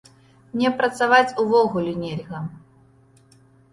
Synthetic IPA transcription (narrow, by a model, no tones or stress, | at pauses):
mnʲɛpɾɐt̪savat͡sʲuvɔɣulʲunʲelʲɣɐ